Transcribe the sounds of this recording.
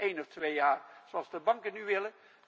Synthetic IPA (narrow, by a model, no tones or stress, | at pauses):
ʔejnɔftʋejjaːrsoɑlˠzdəbɑŋkənyʋɪlə